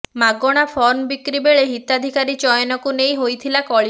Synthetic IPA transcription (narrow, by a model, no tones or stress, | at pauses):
maɡɔɽ̃apʰɔɾmbikɾibeɭeɦit̪ad̪ʱikaɾit͡ʃɔjɔnɔkunejɦojt̪ʰilakɔɭi